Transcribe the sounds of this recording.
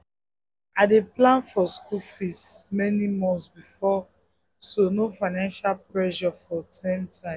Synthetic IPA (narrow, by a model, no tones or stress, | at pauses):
adeplãnfɔskufismɛnimɔ̃nsbifɔ | sonofaɪnãnʃalpɹɛʃɔfɔtʰãmtʰãɪ̃